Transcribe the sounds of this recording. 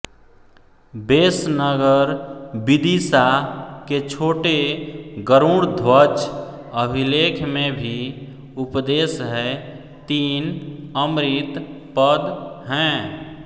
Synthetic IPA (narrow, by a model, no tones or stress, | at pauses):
beːsnəɡəɾbɪd̪isaket͡ʃʰoːʈeɡəɾuːɽd̪ʱwət͡ʃ | əbʱileːkʰmẽbʱi | ʊpd̪eːsɦɛ | t̪iːnəmɾɪt̪ | pəd̪ɦɛ̃ː